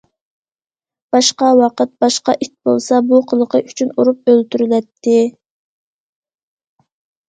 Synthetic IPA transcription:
b̥ɑʃqɑwɑqʰət̪̚bɑʃqɑʔit̪̚bo̰lˠsɑbuqʰəlˠəqʰəʔyt͡ʃʰynuɾup̚ølt̪yɾylɛt̪ʰːɪ

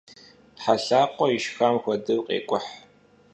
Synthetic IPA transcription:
ħaɬaːqʷʼɔiʃxaːmxʷɔdɨwqʼḛːkʷʼʊħ

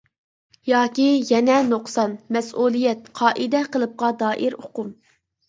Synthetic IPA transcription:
jɑːkʲijɛnɛnoqsɑnmɛsʔulˠijɛt̪̚qʰɑːʔid̪ɛqəlˠɨp̚qɑd̪ɑːʔiɾoqʊm

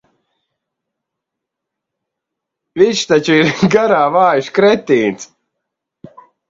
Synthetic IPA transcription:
viʃt̪at͡ʃuiɾɡaɾaːvaːjuʃkɾɛt̪ʲːiːns

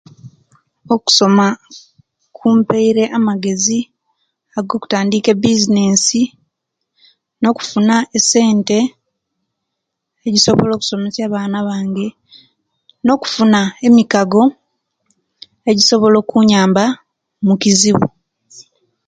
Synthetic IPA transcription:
o̞ku̥so̞ma | kʰuːmpeiɾe̞ʔamaɡe̞zi | aɡo̞ku̥taːndike̞bizine̞ːsi | no̞ku̥funaese̞ːnte̞ | ɟiso̞βolo̞ːku̥so̞me̞sjaːβaːnaβaːŋɡe̞ | no̞ku̥funae̞mikaɡo̞ | e̞ɟiso̞βo̞lo̞ːkuɲaːmba | mukiziβṵ

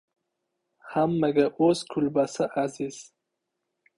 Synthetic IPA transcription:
hamːaɡaoskʰulbasaʔaziz̥

